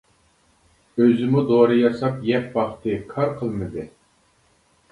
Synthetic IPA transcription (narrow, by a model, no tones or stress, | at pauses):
øzɪmud̪oɾɨjɑsɑpjɛp̚bɑχt̪ʰɨkʰɑɾqʰəlˠmɨd̪ɨ